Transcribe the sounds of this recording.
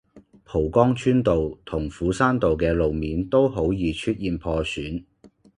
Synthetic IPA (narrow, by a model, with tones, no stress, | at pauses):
pʰo˨˩wkɔː˥ŋt͡ʃʰyː˥nt̪o˨wt̪ʰʊ˨˩ŋfuː˨˥saː˥nt̪o˨wkɛː˧lo˨wmiː˨˥nt̪o˥wɦo˨˥wjiː˨˧t͡ʃʰyː˥t̚jiː˨npʰɔː˧syː˨˥n